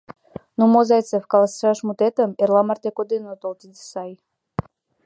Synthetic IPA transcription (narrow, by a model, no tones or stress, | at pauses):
numozɑj̪t͡sefkɑlasʃɑʃmut̪et̪əmerlˠɑmɑrt̪ekod̪enot̪olˠt̪id̪isɑj